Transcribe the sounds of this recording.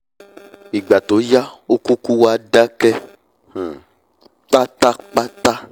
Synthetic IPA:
i˨ɡ͡ba˨t̪o˨˦ja˦o˦ku˦ku˦wa˦da˦kɛ˦˨ | k͡pa˦t̪a˦k͡pa˦ta˦

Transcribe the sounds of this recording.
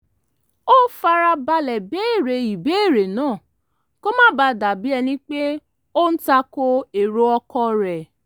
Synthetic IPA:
o˦fa˧ɾa˧ba˧lɛ˨be˦e˦˨ɾe˨i˨be˨˦˨ɾe˨nãː˦˨ | ko˦mãː˦˨ba˧da˨bi˨˦ɛ˧nĩ˦k͡pe˦ | o˦n̩˦ta˧ko˧e˨ɾo˧ɔ˧kɔ˧ɾɛ˨

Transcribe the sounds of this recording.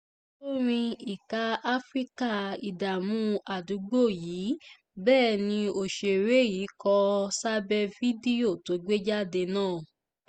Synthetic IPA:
to˦ɾ̃ĩ˧i˨ka˧a˦fɾi˦ka˦˨i˨da˨mũ˨˦a˨du˨˦ɡ͡bo˦˨jiː˨˦ | bɛː˦˨nĩ˧o˨ʃe˨ɾe˨˦jiː˨˦kɔ˧sa˦bɛ˧vi˦di˦o˦˨to˨˦ɡ͡be˦d͡ʒa˦˨de˧nãː˦˨

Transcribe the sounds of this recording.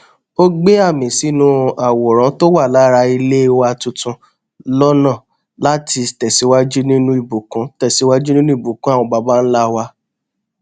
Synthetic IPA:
o˦ɡ͡be˦a˦˨mĩ˨si˨˦nũ˧a˨wo˨ɾ̃ã˨˦to˦wa˦˨la˨˦˨ɾa˧i˧le˦wa˧tũ˧tũ˧ | lɔ˦nã˦˨ | la˦ti˧tɛ˨si˨˦wa˦d͡ʒu˦nĩ˦nũ˦i˦˨bu˨kã˨˦tɛ˦˨si˨˦wa˦d͡ʒu˦nĩ˦nũ˦i˦˨bu˨kũ˦˨wɔ̃˧ba˧ba˦n̩˦la˦wa˧

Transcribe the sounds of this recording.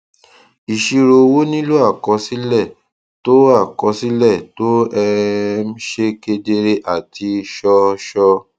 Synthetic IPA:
i˨ʃi˧ɾo˧wo˦nĩ˦lu˦a˦˨kɔ˨˧˦si˦lɛ˦˨ | to˦a˦˨kɔ˧˦si˦lɛ˦˨to˦ɛ˧m̩˦ʃe˦ke˧de˧ɾe˧ʔa˨ti˧ʃɔ˧ʃɔ˧

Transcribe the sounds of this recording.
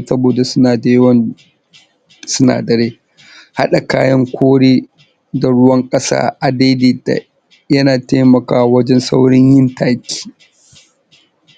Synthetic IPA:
sɐ˦boː˨da˨sʊ˦naː˨da˨jɐ˦wɐ˦n | sʊ˦na̰ː˨dɐ˨ɽeː˦ | ha˦ɗa˨ka̰ː˦jɐ˦ŋkʷoː˦ɽeː˦ | da˨ɽʊ˦wɐ˦ŋkʼɐ˦sa̰ː˦ʔa˨deː˦deː˨ta̰˨ | jɐ˦naː˨teː˦mɐ˨kaː˦wɐ˦d͡ʒɛ˦nsa˦wɽɪ˦ɲjɪ˦ntaː˦kʲi̥ː˦

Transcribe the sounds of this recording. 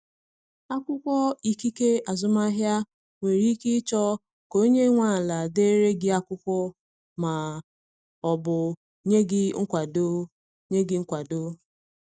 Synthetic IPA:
a˦kʷʊ˦kʷɔ˦i˨ki˦ke˦a˨zʊ˨ma˦ɦja˦ | ŋʷe˨ɾi˦kɪ˦t͡ʃɔ˦ | ko˦ɲe˦ŋʷa˨la˨de˦ɾe˦ɡɪ˦a˦kʷʊ˦kʷɔ˦ | ma˨ | ɔ˨bʊ˨ | ɲe˦ɡɪ˦ŋ̩˦kʷa˨do˦ | ɲe˦ɡɪ˦ŋ̩˦kʷa˨do˦

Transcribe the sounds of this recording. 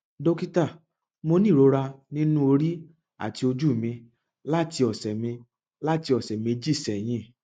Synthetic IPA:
do˧ki˦ta˦˨ | mo˧nĩ˦˨ɾo˨˧˦ɾa˧nĩ˦nũ˦o˧ɾi˦ | a̰˨ti˧o˧d͡ʒu˦˨mĩ˧ | la˦ti˧ɔ˨sɛ˨mĩ˧ | la˦˨ti˧ɔ˨sɛ˨mĩ˧d͡ʒi˦˨sɛ˨j̃ĩ˨˦˨

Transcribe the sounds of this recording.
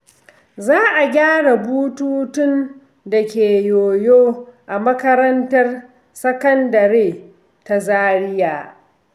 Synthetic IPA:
zaː˦ʔa˨ɡʲaː˦ɽa˨buː˦tuː˦tɪ˦n | dɐ˨kʲeː˨joː˨joː˦ʔa˨mɐ˦kɐ˦ɾɐ˦ntɐ˦r | sɐ˦kɐ˦ndɐ˨ɾeː˦˨ | ta˨zaː˦ɽɪ˦jaː˨

